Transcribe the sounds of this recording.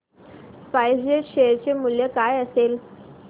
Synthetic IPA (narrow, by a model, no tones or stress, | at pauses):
pajd͡ʑeɕeɾt͡ɕemuljəkajəsel